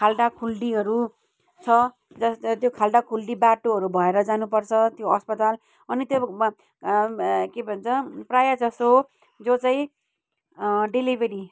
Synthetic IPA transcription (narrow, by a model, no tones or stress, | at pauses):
kʰalɖakʰulɖiɦʌɾu | t͡sʰʌ | d͡zʌst̪jokʰalɖakʰulɖibaʈoɦʌɾubʱʌeɾʌd͡zanupʌrt͡sʰʌt̪joʌspʌt̪al | ʌnit̪jo | kebʱʌnt͡sʰʌprajad͡zʌso | d͡zot͡saĩ | ɖilibeɾi